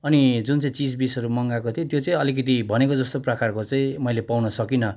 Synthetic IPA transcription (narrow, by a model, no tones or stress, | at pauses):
ʌnid͡zunt͡sʌĩt͡sid͡zbisʌɾumʌŋɡakot̪ʰijot̪jot͡sʌĩʌlik̬ʌt̪ibʱʌnekod͡zʌst̪oprʌkarkot͡saĩmʌjlepawnʌsʌkinʌ